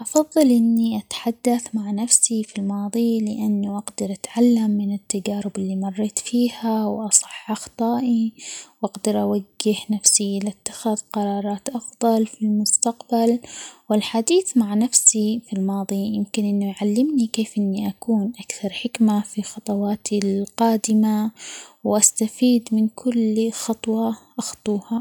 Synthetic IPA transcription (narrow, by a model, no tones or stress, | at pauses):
ʔɑfɑðˤːɑlʔɪnːiʔat̪ħad̪ːaθmaʕnafsifilmɑːðˤilɪʔanːuʔaɡd̪ɑɾʔat̪ʕalːamːɪnɪt̪ːad͡ʒaːɾɪbɪlːimɑrˤːeːt̪fiːhawʔɑsˤɨ̥ħʔɑxt̪ˤɑːʔiwʔaɡd̪ɪɾʔawaɡːɪhnafsiʔlat̪ːḁxaðqɑɾˤɑːɾˤɑːt̪ʔɑfðˤɑlfilmʊst̪aqbalwɪlħad̪iːθmaʕnafsifilmɑːðˤijɪmkɪnʔɪnːuʔʕalːɪmnikeːfʔɪnːiʔakuːnʔakθɑɾˤħɪkmafixɑt̪ˤɑwɑːt̪ʰilqɑːd̪ɪmawʔast̪afiːd̪mɪnkʰʊlxɑt̪ˤwɑʔɑxt̪ˤuːha